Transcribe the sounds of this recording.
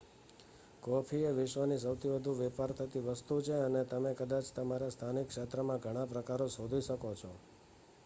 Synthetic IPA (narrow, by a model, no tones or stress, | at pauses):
kɔpʰieʋɪʃʋənis̬əwt̪ʰibəd̪ʱuʋɛpaɾt̪ʰət̪iʋəst̪ut͡ʃʰeənet̪əmekəd̪at͡ʃt̪əmaɾast̪ʰanikʃet̪ɾəmãɡʱəɽ̃ãpɾəkaɾosod̪ʱiʃəkot͡ʃʰɔ